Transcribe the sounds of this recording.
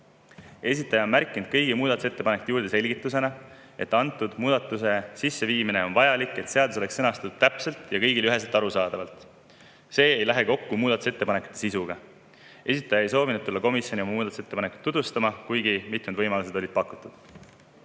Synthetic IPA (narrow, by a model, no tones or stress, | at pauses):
e̞s̬ʲit̪ːˑɑjɑonmærkːˑind̪̥̚kɤjɡimuːd̪̥ɑt̪use̞t̪ːe̞pɑnekut̪ːjuːrd̪e̞se̞lʲɡit̪ːˑuse̞nɑ | e̞t̪ːˑɑnt̪ːˑud̪̥muːd̪̥ɑt̪ːˑuse̞sisːeviːmine̞onvɑjɑlikːˑe̞t̪se̞ɑd̪uso̞le̞ksːɤnɑst̪ɑt̪u̥d̪̥t̪ːæpse̞lt̪jɑkɤ̞jɡilyɦe̞s̬elt̪ːˑɑɾusɑːd̪̥ɑvɑlt̪ | se̞ːejlæɦe̞ko̞kːumuːd̪ɑt̪u̥se̞t̪ːe̞pɑne̞kˑu̥t̪ːˑe̞sisuɡ̥ɑ | e̞sit̪ːˑɑjɑe̞js̬o̞ːvinud̪̚ulːɑko̞misjonio̞mɑmuːd̪ɑt̪u̥set̪ːepɑnekːˑu̥t̪ːud̪vust̪ɑmɑkujɡimit̪mud̪vɤjmɑlus̬e̞d̪o̞lid̪̥̚pɑkːˑut̪ːˑud̪̥